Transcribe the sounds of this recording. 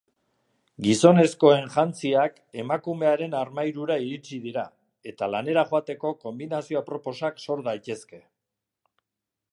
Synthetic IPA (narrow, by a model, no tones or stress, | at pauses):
ɡiso̞ne̞sko̞e̞nʝant͡siak | e̞makume̞aɾe̞naɾmajɾuɾaiɾit͡siðiɾa | e̞t̪alane̞ɾaʝoat̪e̞ko̞ko̞mbinasio̞apɾo̞po̞sakso̞ɾðajt̪e̞ske̞